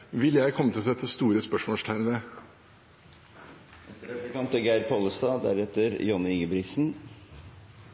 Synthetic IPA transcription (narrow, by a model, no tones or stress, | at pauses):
ʋɪljæɪkʰɔmːət̪ɪlɔsɛt̪ʰːəst̪uːɾəspœʂmɔʂt̪ʰæɪɾnə | ɛst̪əɾɛəkʰɑnt̪əɡæɪɾpʰoːləst̪ɑːd̪æ̰ɾɛt̪ːəɾjɔnːɪɪŋɡəbɾɪɡsn̩